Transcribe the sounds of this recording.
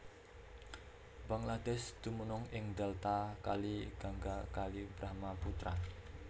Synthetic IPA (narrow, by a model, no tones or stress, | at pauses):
baŋlad̪ɛsd̪̥umunʊŋɪŋd̪ɛlt̪akaliɡ̥aŋɡakalib̥ɾaɦmaput̪ɾa̰